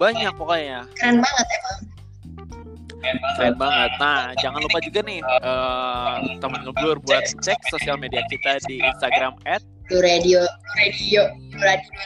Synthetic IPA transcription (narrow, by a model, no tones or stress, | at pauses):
baɲak̚pokajakɾɛnbaŋət̪̚ɛpa | kɾɛnbaŋət̪̚nahd͡ʒaŋanlupad͡ʒuɡanɪhəː | t̪amanəŋənbulʊrbuat̪̚t͡ʃɛk̚sosialmediat͡ʃit̪adiḭnst̪aɡɾamɛt̪̚luɾadioɾadiouɾadio